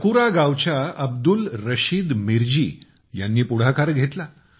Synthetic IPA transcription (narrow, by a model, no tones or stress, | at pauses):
kuɾaɡawt͡ɕjaəb̚d̪ulɾəɕiːd̪miɾd͡ʑḭː | janːiːpuɽ̤akaɾɡʱet̪la